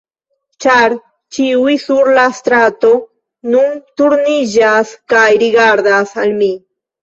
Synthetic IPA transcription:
t͡ʃaɾ | t͡ʃiwisuɾlast̪ɾat̪o | nunt̪uɾnid͡ʒaskajɾiɡaɾd̪asalmi

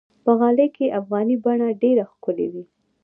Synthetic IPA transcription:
pəɣɑləjkeʔafɣɑnibaɳaɖeɾaxkʊlḛwi

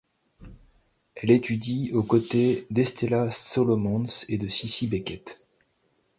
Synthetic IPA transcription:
ɛlet̪ʰyd̪iokot̪ed̪ɛst̪elasɔlɔmɑ̃nsed̪əsisibekʲɛt̪

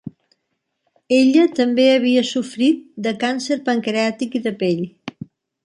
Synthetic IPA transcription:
eʎət̪əmbeəβ̞iəsufɾit̪̚d̪əkansəɾpəŋkɾat̪ikiðəpeʎ

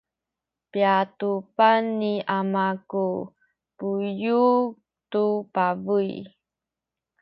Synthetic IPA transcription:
piatupanːiamaku | puju | tupavui

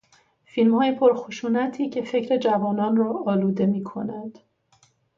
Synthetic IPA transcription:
filmhɒːje̞pʰoɾxoʃuːnæt̪ʰiːcʰe̞fe̞cʰɾe̞d͡ʒævɒːnɒːnrɒːʔːluːd̪e̞miːkʰo̞̰nænd̪̥

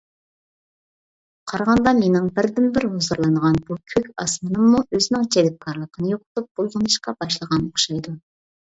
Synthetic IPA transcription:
qʰɑɾɑʁɑnd̪ɑmenɪŋbɪɾd̪ɪnbɪɾhozəɾlˠɑnʁɑnbukʲʰøkʲɑsmɨnɨmːuøzɪnɪŋt͡ʃʰed̪ɪp̚kʰɑɾlˠəqʰənɨjoqʰʊt̪up̚b̥olˠʁənɨʃqɑbɑʃlˠəʁɑnoχʃɑjd̪u

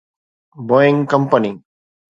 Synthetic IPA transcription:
boɪ̃ŋkɐmpəni

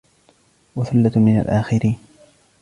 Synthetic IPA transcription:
waθalːat̪mɪna̰lʔaːxɪɾiːn

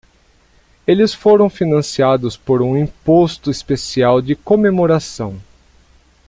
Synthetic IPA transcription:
elɪsfoɾɐ̃w̃finɐ̃siad̪ʊspoɾũĩpost̪ʊispesiawd͡ʒɪkomemoɾasɐ̃w̃

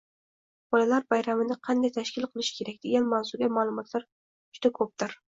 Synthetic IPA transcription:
b̥ɒlalaɾbajɾamɪnɪqʰɑnd̪ajt̪ʰaʃkʲɪlˠqʰɨlˠɪʃkʲʰe̞ɾak̚ʲd̪̥eɡʲanmawzʊɡʲamaːlˠʊmɒt̪laɾ | d͡ʒʊd̪̥akʰɵp̚d̪ɪɾ

